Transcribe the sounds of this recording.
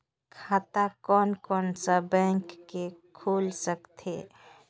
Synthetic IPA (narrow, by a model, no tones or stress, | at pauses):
kʰaːt̪akɔːnkɔːnsəbɛ̃ːŋkːekʰuːlsəkt̪ʰeː